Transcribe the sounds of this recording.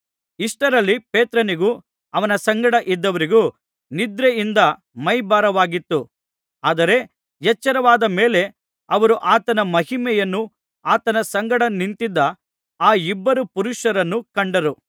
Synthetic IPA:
iʂʈɐɾɐlːipeːt̪ɾɐniɡuː | ɐʋɐnɐsɐŋɡɐɽɐʔid̪ːɐʋɐɾiɡuː | nid̪ɾɛind̪ɐ | mɐjbaːɾɐʋaːɡit̪ːu | aːd̪ɐɾe̞ | jɛt͡ʃːɐɾɐʋaːd̪ɐmeːle̞ | ɐʋɐɾuʔaːt̪ɐnɐmɐɦimɛjɐnːu | aːt̪ɐnɐsɐŋɡɐɽɐnint̪id̪ːɐ | aːibːɐɾupuɾuʃɐɾɐnːukɐɳɖɐɾu

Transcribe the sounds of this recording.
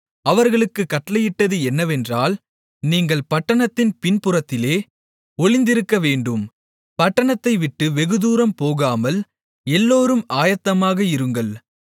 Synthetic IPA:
ɐʋɐɾɣɐɭɯkːɯkːɐʈːlɐjɪʈːɐðɯɛnːɐʋɛndraːl | niːŋɡɐɭpɐʈːɐɳɐt̪ːɪnpɪnpɯɾɐt̪ːɪleː | ɔɭɪnd̪ɪɾɯkːɐʋeːɳɖɯm | pɐʈːɐɳɐt̪ːɐɪʋɪʈːɯʋɛɣɯðuːɾɐmpoːɣaːmɐl | ɛlːoːɾɯmaːjɐt̪ːɐmaːɣɐɪɾɯŋɡɐɭ

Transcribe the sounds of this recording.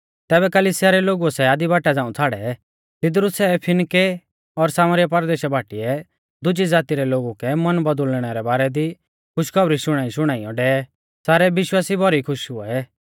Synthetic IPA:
t̪ɛːβɛkɐliːsɪjaɾɛloːɡuɛsɛaːd̪ibaːʈad͡zãːũt͡sʰaːɽɛ̰ | t̪ɪd̪ɾʊsɛpʰɪnke | ɔɾsaːməɾjapɐɾd̪eːʃɛbʱaːʈiɛ | d̪ʊd͡ʒid͡zaːt̪iɾɛloːɡukɛmɐnbɐd̪ʊlɽ̃ɛɾɛbaːɾɛd̪i | kʰʊʃkʰɐbɾiʃʊɽ̃aːiʃʊɽ̃aːiɔ̃ɖɛːɛ | saːɾɛbɪʃwaːsibɔɾikʰʊʃɦʊɛɛ

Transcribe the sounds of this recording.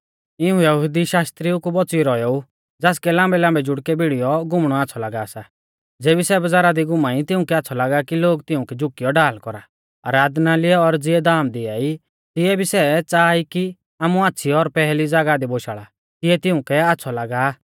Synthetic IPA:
ɪũjɐɦʊd̪iʃaːst̪ɾiʊkubɔt͡siɾɔjɔu | d͡zaːskɛlãːmbɛlãːmbɛd͡ʒʊɽkɛbiɽijɔɡʊmɽ̃ɔaːtːsʰɔlaːɡaːsa | d͡zeːbisɛbɐd͡zaːɾad̪iɡʊmaːit̪ɪ̃ʊ̃kɛatːsʰɔlaːɡakiloːɡt̪ɪʊ̃kɛd͡ʒʊkːɪjɔɖaːlkɔɾa | ɐ̰ɾaːd̪nalɪɛɔɾd͡zɪɛd̪aːmd̪ɪaːi | t̪ɪɛbʱisɛt͡saːiki | aːmuaːtːsʰiɔɾpɛɦlid͡zaːɡad̪iboʃaːɭa | kɪɛt̪ɪʊ̃kɛatːsʰɔlaːɡaː

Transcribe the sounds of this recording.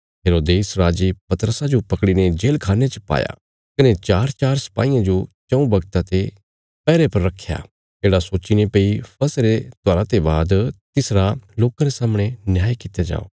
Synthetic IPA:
ɦeːɾoːd̪eːsɾaːd͡ʒipɐt̪əɾəsad͡ʒopɐkɽined͡ʒeːlkʰaːnet͡ʃɐpa̰ːja̰ | kɐnet͡ʃaːɾt͡ʃaːɾsɐ̥pa̰ːijãd͡ʒot͡ʃɐ̃ũbɐɡt̪ãt̪e | pɛːɾepɐɾːɐkʰja̰ː | d͡ʒeːɽasoːt͡ʃinepeipʰɐsɾet̪oaːɾat̪ebaːd̪t̪ɪsɾaloːkãɾesaːmɽ̃enjaːjkɪt̪jad͡ʒa̰ːo̰ː

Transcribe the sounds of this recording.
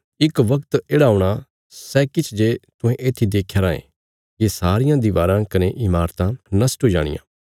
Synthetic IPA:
ɪkʋɐkt̪eːɽaːuɽ̃a | sɛːkɪt͡ʃʰd͡ʒet̪ʊ̃ɦẽʔeːt̪ʰːid̪eːkʰːjaɾãːḛ̃ | jesaːɾɪjãd̪iʋaːɾãkɐneʔɪmaːɾt̪ãnɐsʈɦoːid͡ʒa̰ːɽ̃ɪ̰jã̰ː

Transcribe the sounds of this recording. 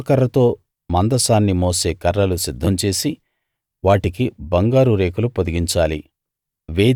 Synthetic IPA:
kɐɾːɐt̪o̞ː | mɐnd̪ɐsaːnːimoːse̞ːkɐɾːɐlusid̪ʱːɐmt͡ʃe̞ːsi | ʋaːʈikibɐŋɡaːɾuɾeːkulupod̪iɡiɲt͡ʃaːli | ʋe̞ː

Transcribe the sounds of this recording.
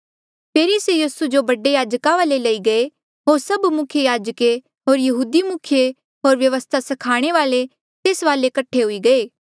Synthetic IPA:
pʰeːɾisejiːsud͡ʒobɐɖejaːd͡ʒkãʋaːlelɐiɡɐe | ɦoːɾsɐbmʊkʰjejaːd͡ʒəke | ɦoːɾjɐɦuːd̪imʊkʰje | ɦoːɾʋjɐʋəst̪ʰasɐkʰaːɽ̃eʋaːle | t̪eːsʋaːlekɐʈʰːeɦʊiɡɐeː

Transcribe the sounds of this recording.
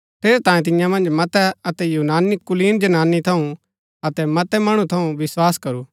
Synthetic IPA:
pʰeːɾt̪ãːẽt̪̬ɪjãmɐ̃nd͡ʒmɐt̪ɛɐt̪ɛjuːnaːnikʊliːnd͡ʒɐnaːnit̪ʰɐũ | ɐt̪ɛmɐt̪ɛmɐɽ̃ut̪ʰɐũʋɪswaːskɐɾuː

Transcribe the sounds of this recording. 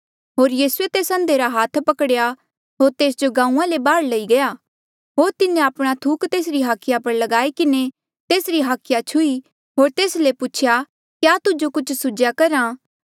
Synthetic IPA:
ɦoːɾjiːsuet̪eːsə̃nd̪eɾaɦaːt̪ʰpɐkɽja | ɦoːɾt̪eːsd͡ʒoɡãːũãlebaːɽlɐiɡɐjaː | ɦoːɾt̪ɪnẽaːpɽ̃at̪ʰuːkt̪eːs̬ɾiɦaːkʰɪjapɐɾlɐɡaːikɪne | t̪eːsɾiɦaːkʰɪjat͡ʃʰʊi | ɦoːɾt̪eːslepʊt͡ʃʰja | kjaːt̪ʊd͡ʒokʊt͡ʃʰsʊd͡ʒjakɐɾãː

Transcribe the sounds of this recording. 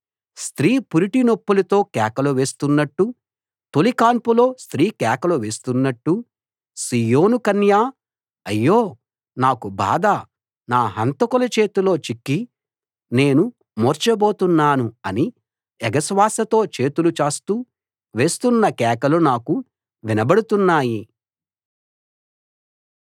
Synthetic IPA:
st̪ɾiːpuɾiʈinopːulɐt̪o̞ːkɛːkɐluʋe̞ːst̪unːɐʈːu | t̪olikaːmpulo̞ːst̪ɾiːkɛːkɐluʋe̞ːst̪unːɐʈːu | siːjo̞ːnukɐnjaː | ɐjːoː | naːkuba̰ːd̪ɐ | naːɦɐnt̪ɐkɔlɐt͡ʃe̞ːt̪ulo̞ːt͡ʃikːi | ne̞ːnu | moːɾt͡ʃɐbo̞ːt̪unːaːnuɐni | ɛɡɐsʋaːsɐt̪o̞ːt͡ʃe̞ːt̪ulut͡ʃaːst̪uː | ʋe̞ːst̪unːɐkɛːkɐlunaːku | ʋinɐbɐɽut̪unːaːji

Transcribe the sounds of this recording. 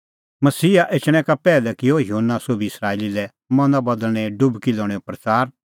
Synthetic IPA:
mɐsiːaʔet͡ʃɽ̃ɛ̃kapɛːlɛkɪojɦoːnːasobʱiɪsɾaːeːlilɛ | mɐ̃nd̪abɐd̪əlɽ̃ɛɖʊbkilɔːɽ̃eopɾɐt͡saːɾ

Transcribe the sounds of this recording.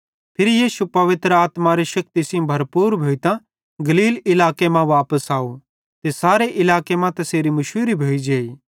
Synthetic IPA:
pʰɪɾijiːʃupɐʋɪt̪ɾəaːt̪maɾeʃɐk̚t̪isɪ̃bʱɐɾpuːɾbʱoːit̪ã | ɡɐliːlɪlaːkemãʋaːpəsaːo | t̪esaːɾeʔɪlaːkemãt̪ɐseːɾimʊʃuːɾibʱoːid͡ʒeːiː

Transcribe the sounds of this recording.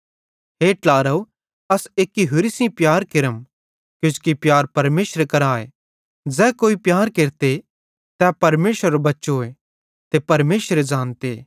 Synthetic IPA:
ɦeːʈlaːɾəo | ɐseːkːiɦʊɾisĩpjaːɾkɪɾəm | kjʊ̃d͡ʒkipjaːɾpɐɾmeːʃɾekɐɾaːḛ | d͡zɛːkoːipjaːɾkeːɾt̪e | t̪ɛpɐɾmeːʃəɾobɐtːʃoːe | t̪epɐɾmeːʃəɾed͡ʒãːnt̪eː

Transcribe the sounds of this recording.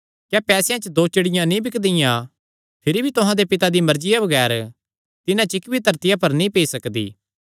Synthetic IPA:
kjaːpɛːsejãt͡ʃəd̪oːt͡ʃɐɽɪjãnĩbɪkd̪ɪjã | pʰɪɾibʱit̪ʊɦãd̪epɪt̪ad̪imɐɾd͡ʒɪjabɐɡɛːɾ | t̪ɪnãt͡ʃɪkbʱit̪ɐɾt̪ɪjapɐɾnĩpeːisɐkd̪ḭː

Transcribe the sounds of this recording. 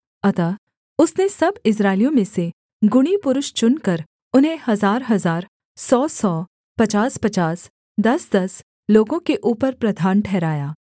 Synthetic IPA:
ɐt̪aː | ʊsnesɐbɪs̬ɾaːɪlijõmẽse | ɡʊɽ̃ipʊɾʊʃt͡ʃʊnkɐɾ | ʊnɦẽhɐzaːɾɦɐzaːɾ | sɔːsɔː | pɐt͡ʃaːspɐt͡ʃaːs | d̪ɐsd̪ɐs | loːɡõkeʔuːpəɾpɾɐd̪ʱaːnʈʰɛːɾaːjaː

